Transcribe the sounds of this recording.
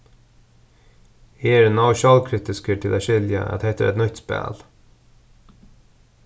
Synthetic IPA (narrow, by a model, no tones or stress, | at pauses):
hiːæɾɛnɑʊʃɑːlkʰɾɪt̪ɪskəʈʰɪlʔæːʃɪljə̰ʔɛ̰t̪hɛɪt̪əʔɛ̰t̪nʏçt̪spæ̰ːl